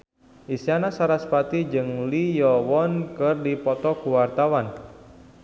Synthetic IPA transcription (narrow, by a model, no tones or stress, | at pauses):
ʔisianasaɾaspat̪id͡ʒɨŋlijɔwɔnkɨrdipɔt̪ɔkuwart̪awan